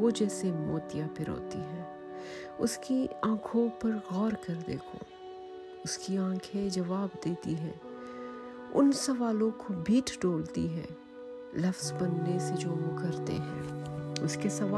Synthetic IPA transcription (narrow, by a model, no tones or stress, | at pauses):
oːd͡ʒɛːsemoːt̪ijapʰɪɾo̰ːt̪iɦɛ̃ː | ʊskiãːkʰõpɐɾɣɔːɾkɐɾd̪ḛːkʰo̰ː | ʊskiãːkʰed͡ʒɐʋaːbd̪eːt̪iɦɛ̰̃ː | ʊ̰nsɐʋaːlõkobʱiːʈʰɖoːlt̪iɦɛ̰̃ː | lɐfzbɐnːesed͡ʒoːʋokɐɾt̪ḛɦɛ̰̃ːʊskesɐʋaː